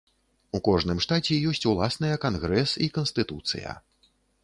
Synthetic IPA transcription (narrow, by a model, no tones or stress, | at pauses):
ukɔʐnɨmʂt̪at͡sʲɛjɔsʲt͡sʲulˠasnɐjɐkanɣɾɛsikɐnst̪ɨt̪ut̪sɨ̰jɐ̰